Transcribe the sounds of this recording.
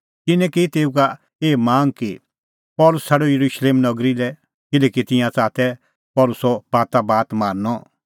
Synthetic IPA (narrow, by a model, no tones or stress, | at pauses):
kɪnɛ̃kit̪eːuka | eːmãːŋki | pɔːlʊsʰaɽojɐɾuʃleːmnɐɡɾilɛ | kɪlɛːkit̪ɪ̃jãt͡saːt̪ɛ | pɔːlʊsɔbaːt̪abaːt̪maːnːɔ